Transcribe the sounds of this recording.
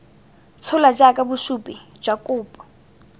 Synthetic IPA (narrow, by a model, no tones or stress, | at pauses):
t͡sʰʊlad͡ʒakʼabuʃupʼi | d͡ʒakʼʊːpʼɔ̥